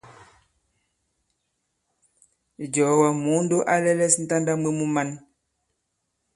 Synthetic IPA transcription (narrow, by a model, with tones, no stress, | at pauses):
d͡ʒɔ˨˦wa˨mu˨˦n̩˦do˦ʔa˦lɛ˦lɛ˦sn̩˦ta˦nda˦me˦mu˦ma˦n